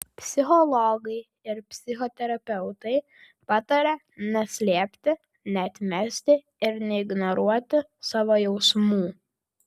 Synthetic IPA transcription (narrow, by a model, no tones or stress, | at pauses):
pʲsʲɪxɔlˠɔɡɐɪ | ɪɾpʲsʲɪxot̪ʲɛɾɐpʲɛʊt̪ɐɪ | pɑːt̪ɐɾʲɛ | nʲɛsʲlʲiɛpʲt̪ʲɪ | nʲɛɐt̪ʲmʲɛsʲt̪ʲɪ | ɪɾnʲɛɪɡnoɾuɔt̪ʲɪ | sɑːʋoːjɛʊsmuː